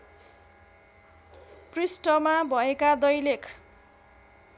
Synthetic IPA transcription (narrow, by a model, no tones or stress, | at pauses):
prisʈʌmabʱʌekad̪ʌjlekʰ